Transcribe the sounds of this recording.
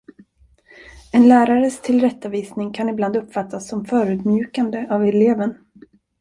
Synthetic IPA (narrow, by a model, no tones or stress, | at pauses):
ɛnlæːɾaɾəst̪ʰɪlɾɛt̪ːaviːsnɪŋkʰanɪbland̪ɵpːfat̪ːasːɔmfœːɾʉ̟ːd̪mjʉ̟ːkand̪əʔavɛleːvən